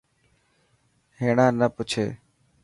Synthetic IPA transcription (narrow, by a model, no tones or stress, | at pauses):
ɦeːɳãːnəpʊt͡ʃʰeː